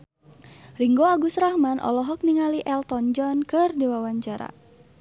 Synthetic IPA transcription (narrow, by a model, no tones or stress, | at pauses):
riŋɡoaɡusɾahmanʔɔ̰lɔɦɔk̚niŋaliʔɛlt̪ɔnd͡ʒɔnkɨrdiwawaɲt͡ʃaɾa̰